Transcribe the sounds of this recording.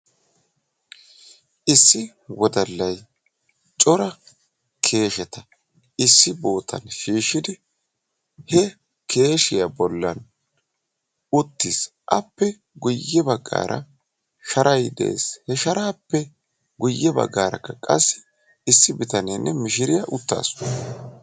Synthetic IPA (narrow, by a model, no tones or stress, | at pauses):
ʔɪsːɪ | wɔd̪ɐlːɐj | t͡ʃʼɔɾɐ | kʰe̞ːʃɛt̪ɐ | ʔɪsːɪbo̞ːt̪ʰɐ̰nʃiːʃɪd̪ɪ | hɛ | kʰe̞ːʃɪjabɔlːɐn | ʊt̪ːɪs | ʔɐpːɛ | ɡʊjːɛbɐɡːa̰ːɾʔɐ̰ | ʃɐɾʔɐjd̪ɛ̰ḛːshɛʃɐɾaːpːɛ | ɡʊjːɛbɐ̰ɡːaːɾɐ̰kːɐkʼɐsːɪ̥ | ɪsːɪbɪt̪ɐneːnːʔɛmɪʃɪɾɪjɐʔʊt̪ːa̰ːs